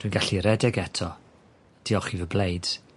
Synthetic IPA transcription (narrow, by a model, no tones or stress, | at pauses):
d̥wijnɡaɬiɾɛdɛɡɛtʰɔ | d̥iɔχivəblejd̥